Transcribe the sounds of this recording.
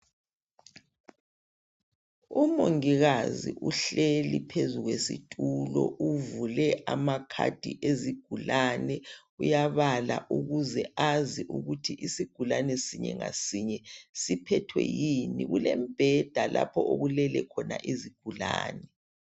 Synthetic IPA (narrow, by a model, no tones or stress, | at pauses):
umoŋiɣaziʔuɬelipʰezuɣwesitʼulɔʔuvulɛamakʰa̰d̥ʱḭʔeziɡ̥ʱulanɛ | ujaβalaʔuɣuzɛaziʔuɣutʰiʔisiɡ̥ʱulanɛsiɲɛŋa̰siɲɛsipʰɛtʰwɛ̰jiniɣulɛmb̥ʱɛd̥ʱalʔa̰pʰɔoɣulɛlɛkʰɔnaʔiziɡ̥ʱulaːnɛ